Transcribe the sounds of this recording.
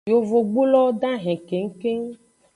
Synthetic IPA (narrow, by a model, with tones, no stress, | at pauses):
jo˨vo˨ɡ͡bu˦lɔ˦ɖã˦ɦɛ̃˨ke˨ŋ̩˦ke˦